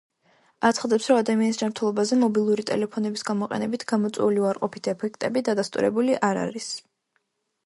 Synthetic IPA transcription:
at̪sʰχad̪ɛpsɾɔad̪amianisd͡ʒamɾt̪ʰɛlˠɔbazɛmɔbilˠuɾit̪ʼɛ̰lɛpʰɔnɛbisɡamɔqʼɛ̰nɛbit̪ʰɡ̥amɔt̪sʼwɛ̰uliuaɾqʼɔpʰit̪ʰɛpʰɛk̚ʰt̪ʼɛbid̪ad̪ast̪ʼṵɾɛ̰buliʔaɾa̰ɾis

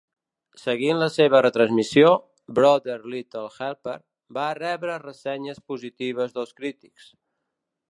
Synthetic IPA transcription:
səɣinləseβərət̪ɾənzmisio | bɾɔdəɾlit̪əlˠxɛlˠpəɾ | barɛβɾərəsɛɲəspuzit̪iβ̞əzðəlˠskɾit̪i̥ks

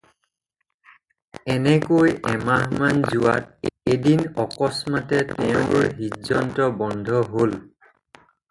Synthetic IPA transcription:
ɛnɛkojʔɛmamanzuwa̰tedinɔkɔsmatɛtɛʊ̃ɹɦizɔntɔbɔndʱɔɦol

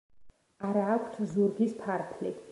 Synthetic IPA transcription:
aɾaːkʷʰt̪ʰzuɾɡispʰaɾp̪ʰlḭ

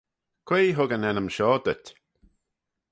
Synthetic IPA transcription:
kʰw̥eːɦʊɡənɛnəmʃɔːd̪ət

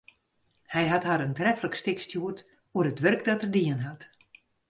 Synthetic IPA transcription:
hɛjɦathaɾəntrɛfələkstɪkstjuət | uərətʋørkdɔtərdiənɦat

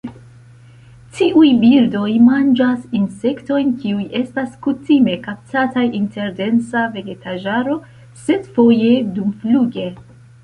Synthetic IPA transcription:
tiʔujbiɾdo̞jmand͡ʒasinse̞kto̞jnkiuje̞staskutime̞kap̚tatajinte̞ɾde̞nt͡save̞ɡe̞taʒaɾo̞ | se̞dfo̞je̞dumfluɡe̞

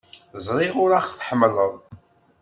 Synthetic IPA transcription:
zˤɾˤiʁʊɾæχθħəmːələðˤ

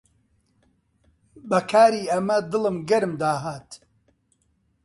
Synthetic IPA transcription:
bɐkʰaːɾiːɐmɐd̪ɨlɨmɡɐɾɨmd̪aːɦaːt̪

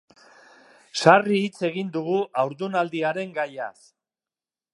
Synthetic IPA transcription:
sariːt͡se̞ɣind̪uɣuʔawɾðunald̪iaɾe̞ŋɡaja̰s

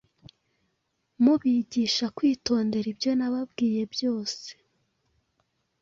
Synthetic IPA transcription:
muβiɟiʃakwiːto̞ːnde̞ɾibjo̞naβabɡiːje̞bjo̞ːse̥

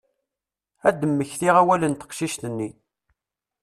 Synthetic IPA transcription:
æd̪ːəmːəçθiʁæwælənt̪ə̥qʃiʃt̪ənːi

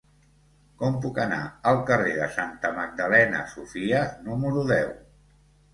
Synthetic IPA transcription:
kɔmpukəna̰əlˠkəreðəsant̪əməɡ̚d̪əlɛnə̰sufiənuməɾuðɛw

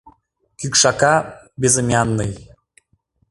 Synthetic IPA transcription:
kykʃɑkɑ | bezəmʲjɑnːɯj

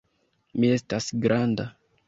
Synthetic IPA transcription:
mie̞stasɡɾʔanda

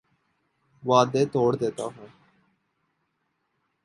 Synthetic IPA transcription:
ʋaːd̪eːt̪oːɽd̪eːt̪aːɦũː

